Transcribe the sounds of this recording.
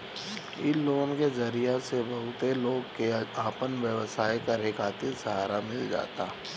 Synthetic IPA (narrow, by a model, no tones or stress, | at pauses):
ɪloːnkezɐɾijasebɐɦʊt̪eloːɡkeaːpənʋjəʋsaːjkaɾeːkʰaːt̪ɪɾsɐɦaːɾamɪld͡ʒa̰ːt̪aː